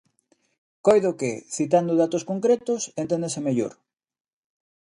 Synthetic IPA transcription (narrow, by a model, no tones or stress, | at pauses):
kojðokeθit̪and̪ʊðat̪oskoŋkɾet̪osent̪ẽnd̪esemeʎo̰ɾ